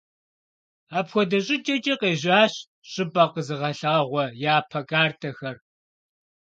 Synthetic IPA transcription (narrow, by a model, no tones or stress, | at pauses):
aːpxʷɔdɐɕʼɪt͡ʃʼɐt͡ʃʼɐqeːʑaːɕ | ɕʼɪbʼɐqəzɨʁɐɬaːʁʷɔjaːpʰɐkʼaːrtʰɐxɐr